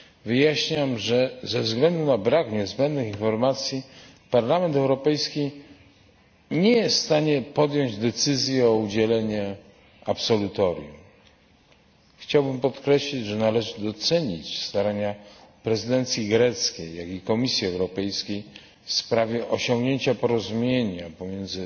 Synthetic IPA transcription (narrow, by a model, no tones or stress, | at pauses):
vɘjaɕɲamʐɛzɛvzɡlɛnd̪unabɾakɲɛzbɛnd̪nɘxinfɔɾmat̪sʲji | paɾlamɛnt̪ɛwɾɔpɛjskʲi | ɲɛjɛsst̪aɲɛpɔd̪jɔɲd͡ʑd̪ɛt̪sɘzʲjɛɔud͡ʑɛlɛɲɛ | apsɔlut̪ɔɾʲjṵm | xt͡ɕawbɘmpɔt̪kɾɛɕlʲid͡ʑʐɛnalɛʐɘd̪ɔt̪sɛɲit͡ɕst̪aɾaɲapɾɛzɘd̪ɛnt̪sʲjiɡɾɛt̪skʲejːakikɔmʲisʲjiɛwɾɔpɛjskʲej | fspɾavʲjɛʔɔɕɔ̃ŋɡɲeɲt͡ɕapɔɾɔzumʲjeɲapɔmʲjend̪zɘ